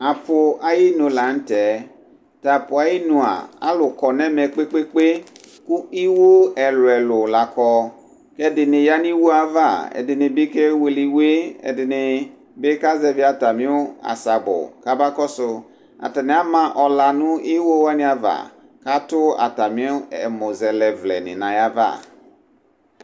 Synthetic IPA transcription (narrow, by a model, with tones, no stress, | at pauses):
a˨pʊ˨a˨ji˦nõ˨la˨n̩˦tɛ˨ | ta˨pʊ˨a˨ji˦nũ˧˨a̰˨a̰˦lʊ˨kɔ˨nɛ˦mɛ˨k͡pe˦k͡pe˦k͡pe˦ku˦i˦wo˦ɛ˨lʊ˨ɛ˨lʊ˨la˨kɔ˧ | kɛ˦dɪ˨nɪ˨ja˦nĩ˦wo˦a˦va˦˨ɛ̰˨dɪ˨nɪ˨bi˦ke˦we˨li˨we˦ɛ̰˨dɪ˨nɪ˨ | be˦ka˦zɛ˦vi˦a˨ta˨mɪ̃˦ʊ˦a̰˨sa˨bʊ̰˨ka˦ba˦kɔ˦sʊ˧ | a̰˨ta˨nɪ̃˨˦a˦mã˦ʔɔ˨la˨nʊ̃˦i˦wo˦wa˦nɪ̃˦a˨va̰˨ | ka˦tʊ˦a̰˨ta˨mĩ˦ʊ˦ɛ˨mo˨zɛ˨lɛ˨vlɛ̰˨nɪ̰̃˨nã˨ja˦va̰˦˨